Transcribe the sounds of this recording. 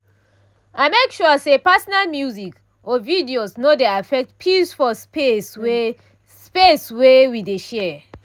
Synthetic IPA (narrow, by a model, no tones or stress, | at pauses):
aɪmekʃusepasɔnalmjuzik | ʔɔvidiosnodeafɛk̚tpʰisfɔspeswe | speswewideʃɛ